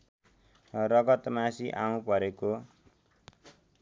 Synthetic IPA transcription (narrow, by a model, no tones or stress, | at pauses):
rʌɡʌt̪masiʔaũpʌɾeko